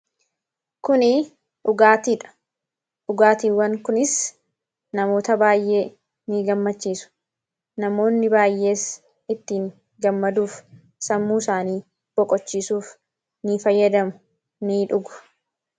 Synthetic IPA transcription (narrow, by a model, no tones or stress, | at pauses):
kʊnɪ | ʊɡaːt̪iːᶑɐ̥ | ʔʊɡaːt̪iːwːɐŋkʊnɪs | nɐmo̞ːt̪ɐbaːjʔe̞ː | niːɡɐmːɐt͡ʃːiːsʊ̥ | nɐmo̞ːnːɪbaːjʔe̞ːs | ɪt̪ːiːŋ | ɡɐmːɐd̪uːf | sɐmːuːsaːniː | b̥ɔkʼɔt͡ʃːiːsuːf | nifɐjːɐd̪ɐmʊ̥ | niːᶑʊɡʊ̥